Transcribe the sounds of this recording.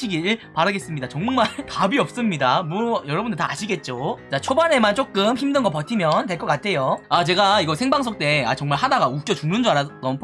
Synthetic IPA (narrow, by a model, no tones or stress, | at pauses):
iɡiɾɯɭpaɾɯɡe̞s͈ɯmɲidat͡ɕʌŋmaɭtabiʌp̚s͈ɯmɲidamuʌjʌɾʌbundɯɭtaaɕʰiɡe̞t̚t͡ɕ͈ot͡ɕat͡ɕʰobane̞mant͡ɕ͈ok͈ɯmçimdɯnɡʌpʌtʰimjʌntwe̞ɭk͈ʌk͈atʰe̞joat͡ɕe̞ɡaiɡʌsʰe̞ŋbaŋsʰok̚t͈e̞a̰t͡ɕʌŋmaɭhadaɡauk̚t͡ɕ͈ʌt͡ɕuŋnɯnd͡ʑoaɾatʌnpʰ